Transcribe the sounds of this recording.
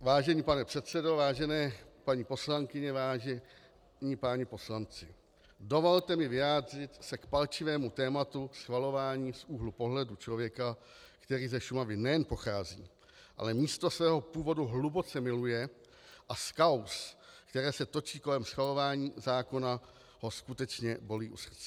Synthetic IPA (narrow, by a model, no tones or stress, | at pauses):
vaːʒɛɲiːpanɛpr̥ɛt̪t͡sɛdo̞vaːʒɛnɛːpaɲiːpo̞slaŋkɪɲɛvaːʒɛ | ɲiːpaːɲɛpo̞slant͡sɪ | do̞vo̞lt̪ɛmɪvɪjaːd̪r̝ɪt̪sɛkpalt͡ʃɪvɛːmut̪ɛːmat̪usxvalo̞vaːɲiːsuːɦlupo̞ɦlɛdut͡ʃlo̞vjɛka | kt̪ɛɾiːzɛʃumavɪnɛjɛnpo̞xaːzḭː | ʔa̰lɛmiːst̪o̞svɛːɦopuːvo̞duɦlubo̞t͡sɛmɪlujɛ | ʔaskawskt̪ɛɾɛːsɛt̪o̞t͡ʃiːko̞lɛmsxvalo̞vaːɲiːzaːko̞na | ho̞skut̪ɛt͡ʃɲɛbo̞liːʔusr̩t͡sɛ